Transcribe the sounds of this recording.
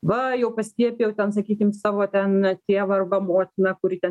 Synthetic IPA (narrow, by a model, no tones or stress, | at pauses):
ʋɐjɛʊpɐsʲt̪ʲiɛpʲɪjɛʊt̪ʲɛnsɐkʲiːkʲɪmsɑːʋoːt̪ʲɛnt̪ʲeːɛʋɐːrbɐmoːt̪ʲɪnɐkʊɾʲɪt̪ʲɛ